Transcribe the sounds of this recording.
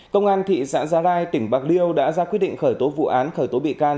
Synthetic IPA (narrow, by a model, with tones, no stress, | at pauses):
kə˧wŋ͡mʔaː˧nt̪ʰḭ˧˨sa̰ː˧˥nzaː˨˦laː˧jt̪ï˧˩ŋ̟ɓaː˨˩k̚li˧əwɗa̰ː˧˥zaː˧kwt̚ɗḭ˧˨ŋ̟xəː˧˩jt̪o˨˦vṵ˧˨ʔaː˨˦nxəː˧˩jt̪o˨˦ɓḭ˧˨kaː˧n